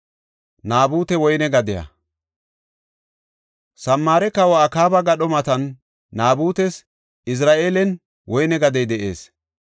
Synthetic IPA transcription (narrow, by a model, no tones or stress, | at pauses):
naːbuːt̪ɛwɔjnɛɡɐd̪ɪjɐ̰ | sɐmːaːɾɛkɐwɔɐkaːbɐɡɐɗɔmɐt̪ɐnː | aːbuːt̪ɛs | ɪs̬ɾaːʔeːlɛn | wɔjnɛɡɐd̪ɛjd̪ɛʔe̞ːs